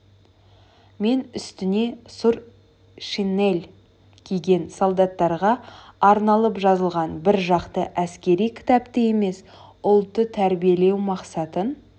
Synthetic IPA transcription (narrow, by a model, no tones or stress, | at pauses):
me̞nʏst̪ɪne̞suɾ | ʃine̞lʲ | kʲʰijɡʲe̞nsolˠd̪ɑt̪ːɑɾʁɑːɾnɑlˠəpʒɑzəlˠʁɑnbɪɾʒɑqt̪əʔæskʲe̞ɾijkʲʰɪ̥t̪ɑpt̪əje̞me̞s | ʊlˠt̪ːət̪ʰæɾbije̞le̞wmɑqsɑt̪ən